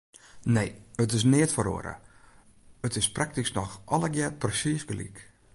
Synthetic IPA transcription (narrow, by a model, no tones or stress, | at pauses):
neːətɪs̬nɪətfəɾo̰əɾə̰ | ətɪsprak̚tisnɔxɔləɡjɛt̚prəsiəsɡəlḭk